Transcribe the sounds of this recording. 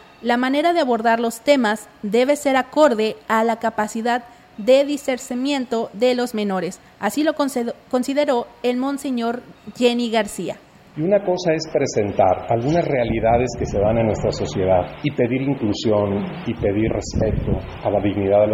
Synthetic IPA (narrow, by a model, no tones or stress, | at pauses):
lamane̞ɾaðeaβo̞ɾðaɾlo̞st̪e̞maz | ðe̞βe̞se̞ɾako̞ɾðe̞alakapasiðaðː | e̞ðiseɾsimjẽ̞nt̪o̞ðe̞lo̞zmẽ̞no̞ɾe̞s | asilo̞ko̞nsiðe̞ɾo̞e̞lmõ̞nse̞ɲo̞ɾʝeniɣaɾsia̰ | iunako̞saespɾe̞se̞nt̪aɾalɣunasrealiðaðe̞ske̞se̞βanenːwest̪ɾaso̞sje̞ðaðipe̞ðiɾiŋklusjo̞nipe̞ðiɾrespe̞t̪o | alaðiɣniðaðe